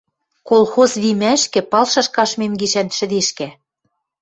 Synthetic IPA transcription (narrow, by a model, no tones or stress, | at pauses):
kolxozβimæʃkɘ̆pɑlʃɑʃkɑʃmemɡiʃænʃɘ̆d̪eʃkæ